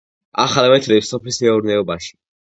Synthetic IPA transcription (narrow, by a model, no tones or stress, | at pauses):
a̰χalˠmɛt̪ʰlipsɔpʰismɛuɾnɛɔbaʃi̥